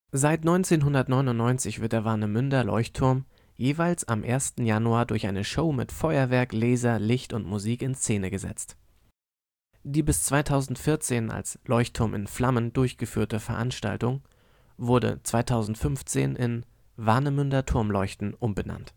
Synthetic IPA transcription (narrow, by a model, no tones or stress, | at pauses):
zaɪtnɔʏnt͡seːnɦʊndɐtnɔʏnʊntnɔʏnt͡sɪçv̥ɪɐt̚d̥eːɐvaɐnəmʏndɐlɔ̰ʏçtʰːʊɐm | jeːvaɪlsa̰mʔeːɐstn̩januaːɐdʊɐçʔaɪnəʃoʊmɪ̰tfɔʏɐvɛɐkleːzɐlɪçtʊntmuziːkɪnst͡seːnəɡəzɛ̰t͡st | d̥iːbɪst͡sv̥aɪtʰaʊzn̩tfɪɐt͡seːna̰lslɔʏçtʰːʊɐmʔɪ̰nflaməndʊɐçɡ̥əfyːɐtəfɛɐʔanʃta̰ltʊŋ | vʊɐdə̰t͡sv̥aɪtʰaʊzn̩tfʏnft͡sḛːnʔɪn | vaɐnəmʏndɐtʰʊɐmlɔʏçtn̩ʔʊmbəna̰nt